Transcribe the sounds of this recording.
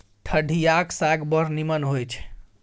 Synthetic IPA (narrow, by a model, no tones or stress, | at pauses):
ʈʰəɖʱijaksaɡbəɾnimənɦojt͡ʃʰ